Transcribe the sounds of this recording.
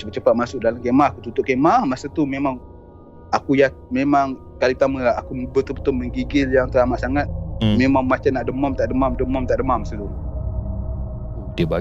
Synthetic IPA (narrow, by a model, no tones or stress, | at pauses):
bət͡ʃəpat̪̚masʊk̚dalamkemahakut̪ut̪ʊʔkemahmasat̪umemaŋ | akujamemaŋ | kalit̪aməaakubət̪ʊbət̪ʊməŋɡiɡɪljaŋt̪əɾamaʔsaŋat̪̚memaŋmat͡ʃamnaʔdəmɔmt̪aʔdəmamdəmɔmt̪aʔdəmahmasət̪u | diəba